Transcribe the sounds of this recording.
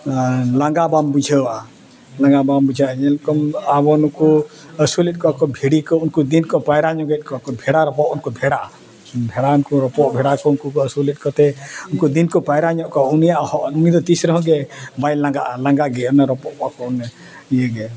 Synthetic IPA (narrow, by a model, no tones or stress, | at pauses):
laŋɡabambud͡ʒʱəwaʔa | lãŋɡabambud͡ʒʱaʔɲɛlkɔmabɔnuku | əsulɛt̪̚kɔkɔbʱiɽikɔunkud̪inkɔpajɾaɲɔɡɛt̪̚kɔkɔbʱɛɽaɾɔpɔʔunkɔbʱɛɽaʔa | bʱɛɽaunkɔɾɔpɔʔbʱɛɽakɔunkukɔəsulɛt̪̚ˀkɔt̪ɛunkud̪inkɔpajɾaɲɔʔkɔunijaʔhɔʔunid̪ɔt̪isɾɔɦɔ̃ɡɛmajlãŋɡaʔalaŋɡaʔɡɛɔnaɾɔpɔʔkɔkɔun | ijəɡɛ